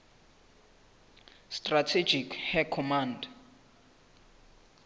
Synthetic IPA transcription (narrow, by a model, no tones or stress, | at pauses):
stratʰed͡ʒikhɛkʰɔmanda